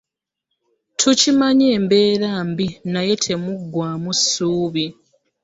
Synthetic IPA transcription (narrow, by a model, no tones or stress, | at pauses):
tʰucimaɲeːmbe̞ːɾaːmbinaje̞tʰe̞muɡːwaːmusːuːβi